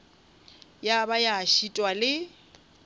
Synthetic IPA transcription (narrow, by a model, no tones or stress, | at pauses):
jabajaʃitʼwalɪ